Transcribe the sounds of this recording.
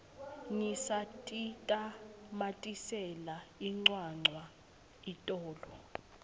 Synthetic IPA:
ŋisatʼitʼamatʼisɛlaiŋ͡ǀwaŋ͡ǀʱwa | itʼɔːlɔ

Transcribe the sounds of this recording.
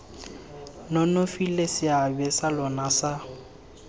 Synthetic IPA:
nɔnofilesɪabɛsalɔnasa

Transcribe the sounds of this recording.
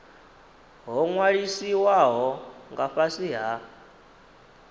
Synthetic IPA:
ɦɔŋwaɺisiwaɦɔŋɡaɸasiɦa

